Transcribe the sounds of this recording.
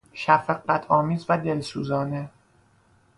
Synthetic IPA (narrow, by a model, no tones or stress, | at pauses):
ʃæfæqːæt̪ʰɒːmiːzvæd̪e̞lsuːzɒːne